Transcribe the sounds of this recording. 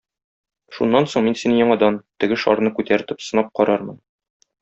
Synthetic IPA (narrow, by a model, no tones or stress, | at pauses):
ʃunːɑnsoɴminsinjɒɴɑd̪ɑnt̪ɘ̆ɡɘʃɒ̰ɾnɤkʉt̪æɾt̪ɘpsɤ̆nɑp̚qɒɾɑɾmɤ̰n